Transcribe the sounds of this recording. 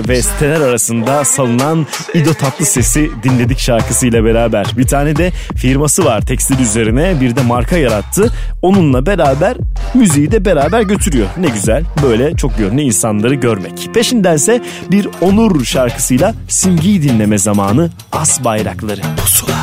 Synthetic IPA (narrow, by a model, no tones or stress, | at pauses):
vɛsi̥t̪ʰe̞nɛɾaɾasɯnd̪asalˠɯnan | id̪o̞t̪ʰat̪lˠɯse̞sid̪inlʲe̞d̪icʃaɾkʰɯsɯjlˠabe̞ɾaːbæɾ̥bit̪ʰaːnɛd̪ɛfiɾmasɯvaɾ̥t̪ʰɛcst̪iɾʲyze̞ɾinɛbiɾd̪ɛmaɾkʰajaɾat̪ʰːɯ | o̞nunlˠabe̞ɾaːbæɾmyzijid̪ɛbe̞ɾaːbæɾɟø̞t̪ʰyɾyjoɾnɛɟyzælʲbø̞jlʲɛt͡ʃʰo̞k̚ɟønlʲyinsanlˠaɾɯɟø̞ɾmɛcpʰe̞ʃind̪ænsɛ | biɾo̞nuɾʃaɾkʰɯ̥sɯjlˠa | sinɟijd̪inlʲe̞mɛzamaːnɯ | asbajɾaklˠaɾɯosu